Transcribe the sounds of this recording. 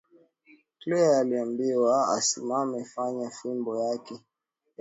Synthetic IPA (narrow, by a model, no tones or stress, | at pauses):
klɛjaaliambiwaa̰sḭmamɛfaɲafimbɔjakɛ